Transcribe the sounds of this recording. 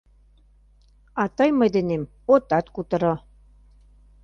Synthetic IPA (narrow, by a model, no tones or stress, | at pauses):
ɑt̪ɑjmɤjd̪ɘ̆nem | ot̪ːɑt̪kut̪ɤ̆ɾo